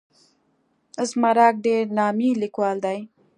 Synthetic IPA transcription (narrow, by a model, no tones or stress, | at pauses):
əzmaɾɑk̚ɖeɾnɑmilikwɑld̪aj